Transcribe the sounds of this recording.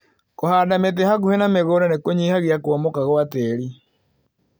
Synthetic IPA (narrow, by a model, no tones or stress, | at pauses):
kohaːndamet̬ehaɣuhenameɣoːdanekoɲihaɣeakwɔmokaɣoateɾi